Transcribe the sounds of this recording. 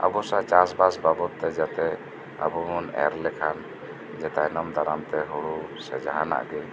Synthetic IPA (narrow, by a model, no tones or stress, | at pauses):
a̰bɔsat͡ʃasbasbabɔt̪ːɛd͡ʒat̪ɛ | a̰bɔmɔnɛ̰ɾlɛkʰan | d͡ʒɛt̪anɔmd̪ʱaɾamt̪ɛɦɔɽusɛd͡ʒaɦana̰ʔɡɛ